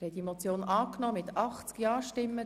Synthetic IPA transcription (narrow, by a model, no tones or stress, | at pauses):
ɾhɛtd̥imot͡sjoːnɑːknɔːmɪt̪ɑχt͡skjɑːʃtɪmːə